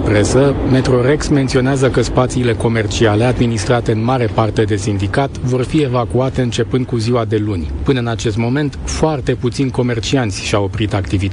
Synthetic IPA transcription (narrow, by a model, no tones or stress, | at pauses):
pɾe̞səme̞t̪ɾo̞ɾe̞ksment̪sio̞neazəkəspat̪siːle̞ko̞me̞rt͡ʃiale̞ad̪minist̪ɾat̪e̞ɨnmaɾe̞part̪e̞d̪e̞sind̪ikat̪vo̞rfie̞vakuat̪e̞ɨnt͡ʃe̞pɨnd̪̚kuziwad̪e̞lunʲpɨnəɨnat͡ʃe̞st̪mo̞me̞nt̪foart̪e̞put̪sinʲko̞me̞rt͡ʃiant̪sʲʃiawopɾit̪akt̪ivit̪